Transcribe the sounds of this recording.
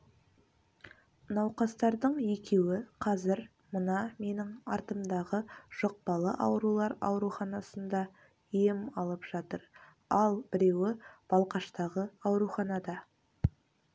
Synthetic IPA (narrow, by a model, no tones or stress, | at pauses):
nɑwqɑst̪ɑɾd̪əɴe̞kʲe̞wɪqʰɑzɪɾ | mənɑme̞nɪŋɑ̰ɾt̪əmd̪ɑʁəʒ̥oq̚pɑlˠə̰ʔɑ̰wɾulˠɑɾɑ̰wɾuχɑnɑsənd̪ɑ | jemɑlˠəpʒ̥ɑt̪əɾ | ɑlˠbɪɾe̞wɪb̥ɑlˠqɑʃt̪ɑʁəɑwɾuχɑnɑd̪ɑ